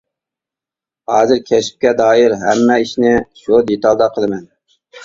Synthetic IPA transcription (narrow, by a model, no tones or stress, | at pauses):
hɑːzɨɾkʲʰɛʃi̥p̚kʲɛd̪ɑːiɾɦɛmːɛiʃnɪʃud̪et̪ɑlˠd̪ɑqʰəlˠɨmɛn